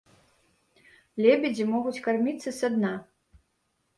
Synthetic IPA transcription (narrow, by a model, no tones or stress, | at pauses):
lʲebʲɪd͡zʲimɔɣut͡sʲkarmʲit̪sɐsad̪na